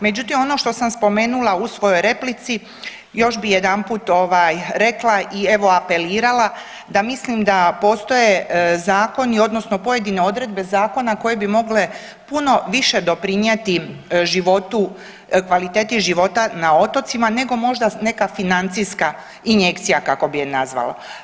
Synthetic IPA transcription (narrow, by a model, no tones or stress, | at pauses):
me̞d͡ʑut̪imo̞no̞ʃt̪o̞samspo̞me̞ːnulˠausʋo̞jo̞jɾe̞plit̪si | jo̞ʃbijed̪anpuːt̪oʋajɾe̞klaʔie̞ʋo̞ape̞liːɾala | d̪amislimd̪apo̞ːst̪o̞je̞zaːko̞nio̞d̪nosno̞po̞je̞d̪ine̞o̞d̪ɾe̞d̪̚be̞zaːko̞nako̞je̞bimo̞ɡle̞ | puno̞ʋiʃe̞d̪o̞pɾiɲet̪iʒiʋo̞t̪u | kʋalit̪e̞ːt̪iʒiʋo̞t̪anao̞t̪o̞t̪simane̞ɡo̞mo̞ʒd̪ane̞kafinant̪sijska | iɲje̞kt̪sijakako̞bienazʋa̰la̰